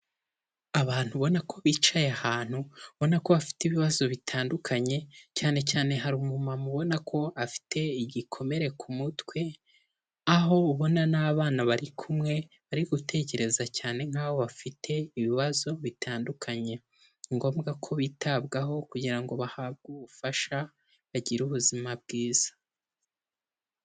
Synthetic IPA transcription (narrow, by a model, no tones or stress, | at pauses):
aβaːn̥huβo̞nakʰo̞βiːt͡ʃajahaːn̥huβo̞nako̞βafi̥tiβiβazo̞βitʰaːndukʰaɲe̞caːne̞caːne̞ɦaɾumumamuβo̞nakʰo̞afi̥tʰe̞iɟikʰo̞me̞ɾe̞kʰumutwe̞ | aɦo̞uβo̞nanaβaːnaβaɾikʰumŋe̞ | βaɾiɡutʰe̞ce̞ɾe̞zacaːne̞ŋ̥haːβo̞βafitʰe̞iβiβazo̞βitʰaːndukʰaɲe̞ | ŋɡo̞ːmɡakʰo̞βiːtʰabɡaɦo̞kuɟiɾaŋɡo̞βahaːb̚ɡuβufaʃa | βaɟiɾuβuzimabɡiːz̥ḁ